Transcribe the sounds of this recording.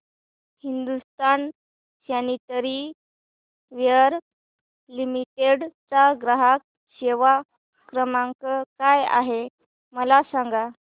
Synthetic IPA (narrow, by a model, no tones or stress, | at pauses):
hind̪ust̪an | ɕjanit̪əɾi | ʋjəɾ | limiʈeɽt͡saɡɾaɦak̚ | ɕeʋa | kɾəmaŋkəkaja̰ɦe | məlasaŋɡa